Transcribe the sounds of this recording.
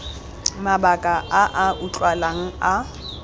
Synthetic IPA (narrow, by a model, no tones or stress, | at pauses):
mabakʼaʔaʔaʔʊt͡ɬʼwalaŋ̩a